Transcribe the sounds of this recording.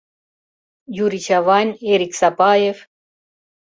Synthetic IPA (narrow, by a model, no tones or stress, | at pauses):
juɾit͡ʃʰavɑnʲeɾiksapajev